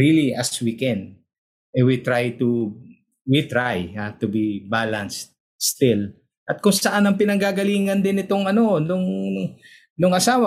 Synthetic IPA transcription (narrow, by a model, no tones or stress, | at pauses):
ɹiliɐswikɛn | ɛwit̪ɹajt̪u | wit̪ɹajhat̪ubibalɐnst̪̚ | st̪ɪl | ʔɐt̪̚kʊŋsɐʔanɐŋpɪnɐŋɡaɡɐliːŋɐnd̪ɪnɪt̪o̞ŋɐno̞nʊŋ | nʊŋɐsaːwɐ